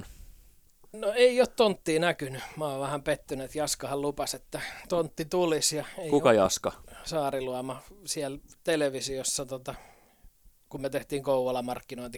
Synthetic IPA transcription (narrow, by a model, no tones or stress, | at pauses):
noeiott̪ont̪ːiːnækynymɑːʋʋæhæmpet̪ːynet̪jɑskɑhɑllupɑset̪ːæt̪ont̪ːit̪ulisjɑeikukɑjɑ̰skɑsɑːriluɑmɑsiælt̪eleʋisiosːɑt̪ot̪ɑ | kummet̪eht̪iːŋkouʋɑlɑmɑrkːinoˑint̪i